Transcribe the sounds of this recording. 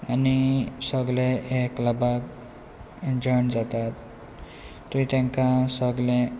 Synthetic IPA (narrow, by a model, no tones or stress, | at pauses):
anisəɡleeklabak | d͡zəɳd͡zat̪at̪ː | uĩt̪ẽŋkasəɡlẽ